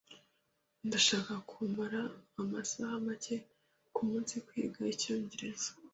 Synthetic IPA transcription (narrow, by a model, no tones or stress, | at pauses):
ndaʃaːkakʰuːmbaɾaːmasahamace̞ | kumuːnsikwḭːɡaico̞ːɲɟe̞ɾe̞zo̥